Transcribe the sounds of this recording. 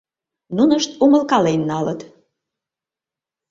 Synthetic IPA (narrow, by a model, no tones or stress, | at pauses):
nunəʃt̪uməlkɑlenːɑlət̪